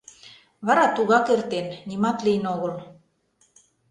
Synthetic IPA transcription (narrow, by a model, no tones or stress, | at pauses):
βɑɾɑt̪uɣɑkert̪enːimɑt̪lijnoɣɤ̆l